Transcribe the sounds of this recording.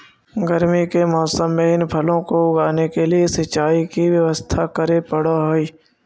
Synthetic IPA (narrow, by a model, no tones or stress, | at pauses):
ɡəɾmikemɔːsəmːẽɪnpʰəlõkoʊɡaːnekeliesɐt͡ʃːaːikiʋjɐʋəst̪ʰakəɾepəɽoɦoiː